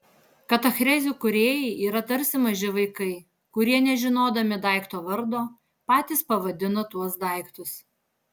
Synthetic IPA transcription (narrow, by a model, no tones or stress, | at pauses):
kɐt̪ɐxɾʲɛzʲukʊɾʲeːjɛɪʔiːɾɐt̪ɐɾʲsʲɪmɐʒʲɪʋɐɪkɐɪ | kʊɾʲiɛnʲɛʒʲɪnoːd̪ɐmʲɪd̪ɑˑɪkt̪oːʋɐɾd̪oː | pɑːt̪ʲiːspɐʋɐd̪ʲɪnɐt̪uɔsd̪ɑˑɪkt̪ʊs